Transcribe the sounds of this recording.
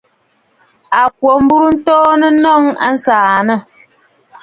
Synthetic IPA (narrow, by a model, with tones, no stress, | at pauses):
a˨k̚wo˨m̩˦bu˦ɾu˦n̩˦tɔː˦nə˦nɔ˦ŋa̰˦n̩˦saː˨nə˦˨